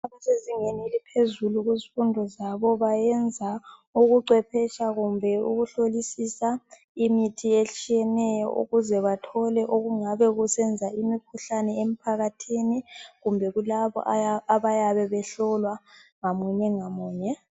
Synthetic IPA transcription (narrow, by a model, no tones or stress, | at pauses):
aβaseziŋenilipʰezuluɣuzifundʱɔzaβɔβajɛnd͡zʱauɣuǀwɛpʰɛt͡ʃaɣumbʱɛuɣuɬolisisa | imitʰiet͡ʃʼijɛnɛjɔ̰ʔṵɣuzɛβatʰɔlɛʔoɣuŋaβɛɣusɛnd͡zʱaimikʰuɬanɛem̩pʰaɣatʰiːniɣumbʱɛɣulaβɔ̰ʔaaβajaβɛβɛɬɔlwaŋamuɲɛŋamuːɲɛ